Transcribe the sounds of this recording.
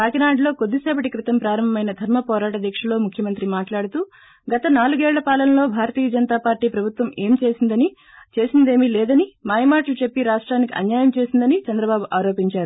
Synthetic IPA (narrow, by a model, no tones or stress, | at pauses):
paːkinaːɳɖlo̞ːko̞d̪ːisɛːpɐʈikɾit̪ɐmpɾaːɾɐmbɐmɐjnɐd̪ʱɐɾmɐpɔːɾaːʈɐd̪ʱjɐkʂɐlo̞ːmukʰjɐmɐnt̪ɾimaːʈlaːɽut̪uː | ɡɐt̪ɐnaːluɡɛːɭːɐpaːlɐnɐlo̞ːbʱaːɾɐt̪iːjɐd͡ʒɐnt̪aːpaːɾʈiːpɾɐbʱut̪ʋɐmeːmt͡ʃe̞ːsind̪ɐni | t͡ʃe̞ːsind̪e̞ːmilɛːd̪ɐnimaːjmaːʈlut͡ʃe̞pːiɾaːʂʈɾaːnikiʔɐ̰njaːjɐmt͡ʃe̞ːsind̪ɐnit͡ʃɐnd̪ɾɐbaːbuʔaːɾo̞ːpiɲt͡ʃaːɾu